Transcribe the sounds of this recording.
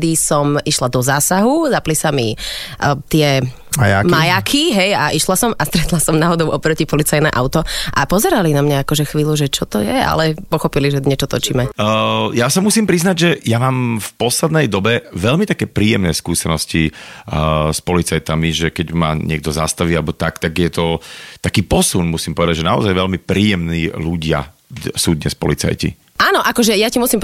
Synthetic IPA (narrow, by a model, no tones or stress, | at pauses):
d̪isɔmiʃlad̪ɔzaːsaɦuzaplisami | t̪ɪɛ | ajamajakʰiɦɛjaʔiʃlasɔmast̪ɾɛt̪lasɔmnaɦɔd̪ɔʊʔɔpɾɔcipɔlit͡sajnɛ̰ʔaʊt̪ɔʔapɔzɛɾalinamɲaakɔʒɛxʋiːluʒɛt͡ʃɔt̪ɔjɛa̰lɛpɔxɔpiliʒɛɲɛt͡ʃɔt̪ɔt͡ʃimɛjasamusiːmpɾiznaɟʒɛjamaːmfpɔslɛd̪nɛjd̪ɔbɛʋɛʎmit̪akɛːpɾiːjɛmnɛːskuːsɛnɔsci | spɔlit͡sajt̪amiʒɛkɛɟma̰ːɲɪɛɡ̚d̪ɔza̰st̪aʋialɛbɔt̪akt̪aɡjɛt̪ɔt̪akiːpɔsunmusiːmpɔʋɛd̪aɟʒɛnaɔ̰zajʋɛlmipɾiːjɛmniːluɟɪa̰ | suːd̪ɲɛspɔ̰lḭt͡sa̰jcḭ | aːnɔʔakɔʒɛjacimusim